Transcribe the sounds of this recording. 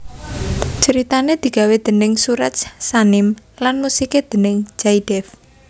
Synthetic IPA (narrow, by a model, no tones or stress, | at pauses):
t͡ʃəɾit̪aned̪̥i̤ɡ̥a̤wed̪̥ə̤nɪŋsuɾat̪sanɪmlanmusiked̪̥ə̤nɪŋd͡ʒaid̥ɛf